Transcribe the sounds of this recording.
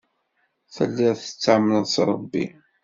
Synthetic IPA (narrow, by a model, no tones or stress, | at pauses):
θə̰lːæθə̥t͡sːaʕmːnəðsɾˤəbːḭ